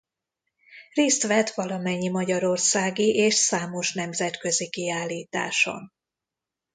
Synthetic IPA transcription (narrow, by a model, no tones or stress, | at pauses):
reːst̪ʋɛt̪ʋɒlɒmɛɲːimɒɟɒɾo̞rsaːɡiʔeːʃsaːmo̞ʃn̪ɛmzɛt̪kø̞zikiaːlːiːt̪a̰ːʃo̞̰n